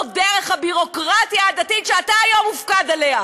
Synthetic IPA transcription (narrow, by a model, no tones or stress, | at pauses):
d̪eʁeχhabiʁo̞kʁatjaːd̪atitʃeataːjamufkad̪ale̞a